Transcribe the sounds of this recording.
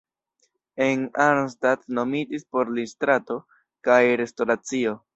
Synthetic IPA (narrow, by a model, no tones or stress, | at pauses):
e̞naɾmstadno̞midispo̞ɾlistɾato̞ | kajɾe̞sto̞ɾat͡sio̞